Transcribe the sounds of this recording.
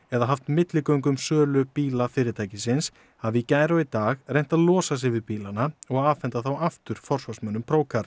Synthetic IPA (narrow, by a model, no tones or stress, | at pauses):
ɛðaɦaft̪mɪt̪lɪkœɥŋkʏmsœːlʏpiːlafɪːɾɪt̪ʰaːjcɪsɪns | havɪicaːjɾɔit̪aːɣrejn̥t̪aðlɔːsas̬ɪvɪðpiːlanaɔɣaðaːvfɛnt̪aθawaft̪ʏɾ̥fɔr̥svasmœnʏmpʰɾoːwkʰaɾ